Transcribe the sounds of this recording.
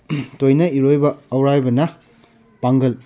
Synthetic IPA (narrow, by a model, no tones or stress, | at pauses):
tojnɐiɾojbɐːwɾajbɐnɐ | paŋɡɐl